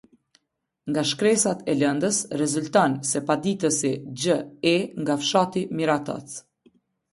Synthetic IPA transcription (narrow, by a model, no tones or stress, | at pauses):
ŋɡaʃkɾɛsat̪ɛlɛnd̪əsrɛzult̪ɔnsɛpad̪it̪əsid͡ʑəɛŋɡafʃat̪imiɾat̪ɔ̰t͡s